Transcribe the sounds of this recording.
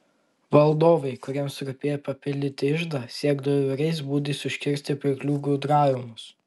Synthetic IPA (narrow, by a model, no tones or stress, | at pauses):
ʋɐlˠd̪oːʋɐɪkʊɾʲiɛmsɾʊpʲeːɛjpɐpʲɪlʲd̪ʲɪt̪ʲɪɪʒd̪ɐsʲiɛɡd̪ɐʋoʋʲɛɾʲɛɪs̬buːd̪ʲisʲʊʃʲkʲɪɾʲsʲt̪ʲɪpʲɾʲɪklʲuːɡuːd̪ɾɑːjʲʊmʊs